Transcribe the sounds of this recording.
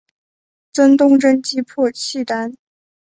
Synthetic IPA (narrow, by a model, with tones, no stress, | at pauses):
t͡sə˥nt̪ʊ˥˧ŋʈ͡ʂə˥nt͡ɕi˥pʰɔ˥˩t͡ɕʰi˥˩t̪a˥n